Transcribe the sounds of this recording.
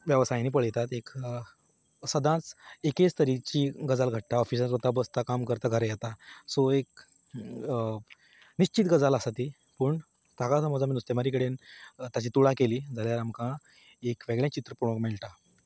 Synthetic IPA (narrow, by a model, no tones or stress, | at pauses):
ʋjəʋsajãniːp̬əɭjɛt̪at̪ek | səd̪ʱãt͡seket͡st̪əɾit͡ɕiɡəd͡zalɡʱəʈ̚t̪aɔfisãt͡sət̪abəst̪akamkəɾt̪aɡʱəɾjɛt̪asoek | niɕt͡ɕit̪ɡəd͡zalasat̪iː | pəːɳ | t̪akasəmɔd͡zaminust̪emaɾikəɽent̪at͡ɕiːt̪uɭakeliːd͡zʱaljaɾamkã | ekʋeɡɭjãt͡ɕit̪ɾəpɾoɽõkmɛlʈa